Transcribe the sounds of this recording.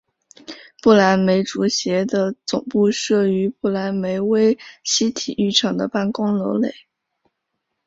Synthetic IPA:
pu˥˩la˧˥nme˧˥ɪʈ͡ʂu˧˥ɕjɛ˧˥d̪ə˧t͡sʊ̰˨˩ŋpu˥˧ʂɤ˥˩y˧˥pu˥˩la˧˥nme˧˥ɪwe˥ɪɕi˥t̪ʰi˨˩y˥˩ʈ͡ʂʰɑ˨˩ŋd̪ə̰˦pa˥˩nkʊ˥ŋlo˧˥ʊle˨˩˦ɪ

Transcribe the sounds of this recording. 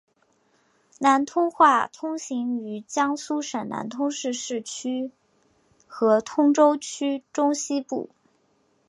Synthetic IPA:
na˧˥nt̪ʰʊ˥ŋxwa˥˩t̪ʰʊ˥ŋɕi˧˥ŋy˧˥t͡ɕjɑ˥ŋsu˥ʂə˨˩nna̰˧˥nt̪ʰʊ˥ŋʂɻ̩˥˧ʂɻ̩˥˩t͡ɕʰy˥ | xɤ˧˥t̪ʰʊ˥ŋʈ͡ʂo˥ʊt͡ɕʰy˥ʈ͡ʂʊ˥ŋɕi˥pṵ˥˩

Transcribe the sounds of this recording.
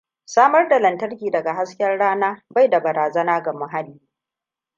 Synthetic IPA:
saː˦mɐ˦rda˨lɐ˨ntɐ˦rkʲiː˨dɐ˨ɡa˨ɦa˦skʲɛ˦rɽaː˦naː˦ba˦˨jda˨bɐ˨ɾaː˨zɐ˦naː˦ɡa˨mʊ˦ɦa˦liː˦˨

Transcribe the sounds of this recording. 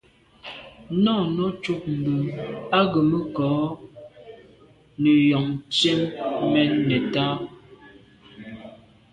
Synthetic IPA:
nɔ˦˨nɔ˦t͡ʃu˦k̚m̩˨bə˨a˦ɡə˨mə˦kɔː˨˦ | nə˨jɔ˨ŋt͡ʃe˦mːɛ˦nːɛ˨ta˦

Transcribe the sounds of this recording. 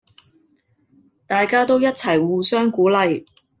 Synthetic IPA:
t̪aː˨jkaː˥t̪o˥wjɐ˥t̚t͡sʰɐ˨˩jwuː˨sœː˥ŋkuː˨˥lɐ˨j

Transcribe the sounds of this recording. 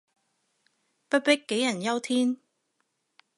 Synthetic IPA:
pɐ˥t̚pɪ˥kːe˨˥jɐ˨˩njɐ˥wt̪ʰiː˥n

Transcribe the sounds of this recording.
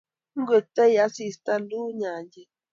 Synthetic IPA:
ŋ˦ɡe˨t̪e˦ja˦si˧˨st̪a˦nd̪u˦ɲã˨nd͡ʒe˧

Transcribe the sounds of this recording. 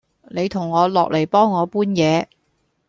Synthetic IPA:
ne˨˧jt̪ʰʊ˨˩ŋːɔː˨˧lɔː˨k̚le˨˩jpɔː˥ŋːɔː˨˧puː˥njɛː˨˧

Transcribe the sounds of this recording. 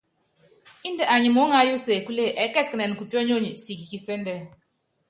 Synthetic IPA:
i˦nde˨ʔa˨ɲi˨mo˨˦ŋa˨˦jo˦se˨ku˦le˦ʔɛ˨˦kɛ˦˨skə˨nɛ˨n˨ku˨tɔ˦ɲ˦o˦˨ɲi˨si˨ki˨ki˨sɛ˦n˦dɛ˦˨

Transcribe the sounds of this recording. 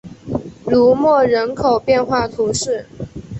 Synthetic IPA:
ɻu˧˥mwɔ˥˩ɻə˧˥nkʰo˨˩ʊpjɛ˥˧nxwa˥˩t̪ʰu˧˥ʂɻ̩˥˩

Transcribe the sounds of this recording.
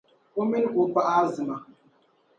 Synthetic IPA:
o˦mi˦n˦ku˨pa˦ʔa˦zi˨ma˨

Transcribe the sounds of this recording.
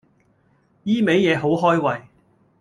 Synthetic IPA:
jiː˥me˨˥jjɛː˨˧ɦo˨˥wɦɔː˥jwɐ˨˩j

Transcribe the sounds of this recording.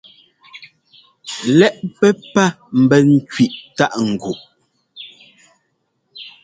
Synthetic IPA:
lɛ˦˨ʔpɛ˦pa˦ | m̩˨bɛ˨ŋ̩˦kɥi˨ʔta˦ʔŋ̩˨ɡu˨ʔ

